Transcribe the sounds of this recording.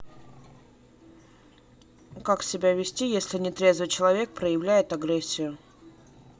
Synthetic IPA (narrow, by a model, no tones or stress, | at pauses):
kaksʲɪbʲævʲɪsʲtʲijesʲlʲɪnʲɪt̪ɾʲe̞zvɨt͡ɕɪlˠɐvʲe̞k̚pɾəjɪvlʲæjɪt̪ɐɡɾesʲːɪjʊ